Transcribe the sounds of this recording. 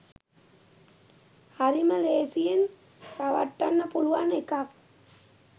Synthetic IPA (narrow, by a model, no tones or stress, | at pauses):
aɾimɐleːsijen | kaʋɐ̰ʈːanːɐpuluʋanekak̚